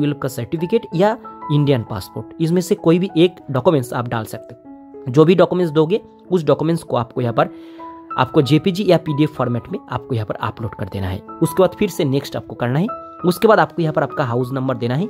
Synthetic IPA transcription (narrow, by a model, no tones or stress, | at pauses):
ɪlb̚kasɐɾʈifʰɪkeːʈjaɪ̃ɳɖijənpa̰ːspoːɾʈɪs̬mẽsekoːibʱiʔeːkɖɔːkumẽːɳʈsa̰ːpɖa̰ːlsɐk̚t̪e | d͡ʒoːbʱiɖɔːkumẽʈsd̪oːɡe | ʊsɖɔːkumẽɳʈskoaːp̚kojɐɦãpɐɾ | a̰ːp̚kod͡ʒeːpid͡ʒijapiːɖieːfɔːɾmɛːʈmẽa̰ːp̚kojɐɦãpɐɾa̰ːploːɖkɐɾd̪ḛːna̰ɦɛ̰ːʊskebaːd̪fʰɪɾseneːksʈa̰ːp̚kokɐɾnaɦɛ | ʊskebaːd̪aːp̚kojɐɦãpɐɾaːp̚kaɦaːʊs̬nɐ̃mbəɾd̪eːnaɦɛ